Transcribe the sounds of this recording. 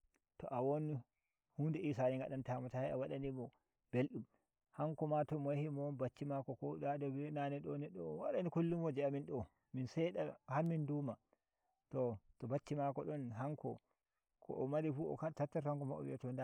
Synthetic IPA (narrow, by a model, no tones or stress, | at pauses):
tɔ̰ʔawon | hundɛisaniŋɡaɗantaːmɔtahɛawaɗanimɔ | b̥elɗum | haŋkɔmatɔmɔjahimɔnbat͡ʃːimakɔkɔɗadɔbɛnanɛɗɔnɛɗːɔwaɗanikulːimɔd͡ʒɛaminɗɔ | minsɛɗahaɾminduːma | tɔtɔbat͡ʃːimakɔɗɔnɦaŋkɔ̰ | kʰɔ̰ʔɔmaɾifuɔ̰katatːaɾtɔhaŋkɔmaɔ̰wḭɔtɔnda